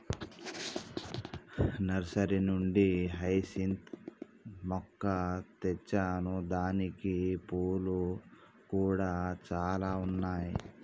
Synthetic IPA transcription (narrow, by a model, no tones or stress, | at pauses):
nɐɾsɐɾinuɳɖiɦɐjsint̪ | mɔkːɐt̪ɛt͡ʃːaːnud̪aːnikipoːlu | kuːɽaːt͡ʃaːlaːunːaːji